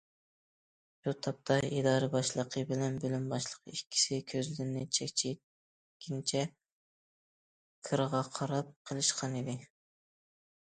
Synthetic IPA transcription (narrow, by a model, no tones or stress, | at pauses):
b̥ut̪ʰɑp̚t̪ʰɑid̪ɑːɾɨbɑʃlˠəqʰəbɪlɛnbølymbɑʃlˠə̥qikʲʰːi̥sɪkʲʰøzlɪɾnɪt͡ʃʰɛkʲt͡ʃʰi | kʲʰint͡ʃʰɛ | kʰɨɾəʁɑqʰɑɾɑp̚qʰəlˠɨʃqʰɑnid̪ɪ